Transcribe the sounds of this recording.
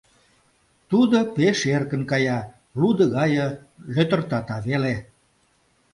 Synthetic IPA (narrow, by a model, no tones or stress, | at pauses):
t̪ud̪opeʃerkə̆nkɑjɑ | lud̪ə̆ɣɑjə | løt̪ə̆rt̪ɑt̪ɑβele